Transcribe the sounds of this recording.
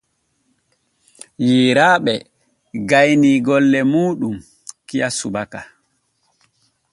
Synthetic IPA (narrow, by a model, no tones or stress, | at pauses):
jiːɾaːɓɛ | ɡajniɡɔlːɛmuːɗum | kijasubaka